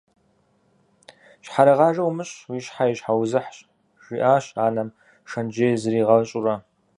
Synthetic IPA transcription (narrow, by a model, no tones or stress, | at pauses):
ɕħaɾɐʁɑːʒɐwmɨɕwiːʃħajɪɕħawzɨħɕʼ | ʒ̥ʷiʔaːɕaːnɐm | ʂɐnd͡ʒeːzɨɾiːʁɐɕʼʊrɐ